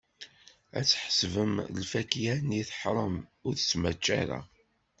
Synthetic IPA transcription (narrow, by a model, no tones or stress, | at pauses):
æ̰t͡sːħə̥svəmlfækjæniθħɾˤəmʊɾθət͡sːmæt͡ʃːæɾa̰